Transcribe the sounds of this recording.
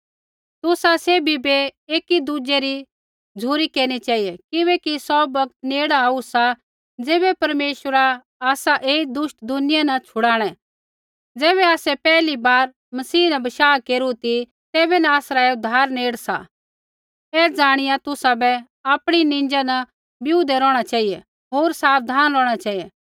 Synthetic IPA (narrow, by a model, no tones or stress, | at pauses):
t̪ʊsaseːbʱibeeːkid̪ud͡ʒeɾi | d͡zʱuːɾikeːɾɽ̃it͡ʃaːiekɪʋɛːkisɔːbɐk̚t̪neːɽaaːusa | d͡zeːbɛpɐɾmeːʃəɾa | aːsaʔeːid̪ʊʃʈd̪ʱʊnɪjanɐt͡ʃʰʊɽaːɽ̃ɛ̃ | d͡zɛːβɛaːsɛpɛːlibaːɾ | mɐsiːnɐbɐʃaːkeːɾut̪i | t̪eːbɛnaaːsɾaʊd̪ʱaːɾneːɽsa̰ | ɛːd͡zaːɽ̃ɪjat̪ʊsabɛ | aːpɽ̃inɪ̃ɲd͡ʒanɐ | bjuːd̪ɛɾɔːɽ̃at͡ʃaːijɛ | ɦoːɾsaːʋd̪ʱaːnɾɔːɽ̃at͡ʃaːije